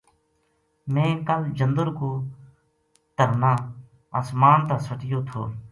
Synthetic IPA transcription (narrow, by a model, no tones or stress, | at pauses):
mẽːkəld͡ʒənd̪əɾkoː | t̪əɾnaː | aːsmaːnt̪aːsəʈɪjoːt̪ʰo̰ː